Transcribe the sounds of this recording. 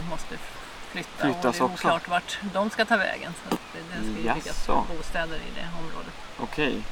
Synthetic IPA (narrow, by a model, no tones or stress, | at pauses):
mɔst̪ə | flʏt̪ʰːaʏːasɔkslɑːʈvaʈd̪ɔmskat̪ʰɑːvɛ̰ːɡənsat̪ | d̪ɛskaɛɪkːaɔbuːst̪ɛːd̪əɾɪ̰d̪ɛ̰ɔmɾo̰ːd̪ət̪ɔkʰɛj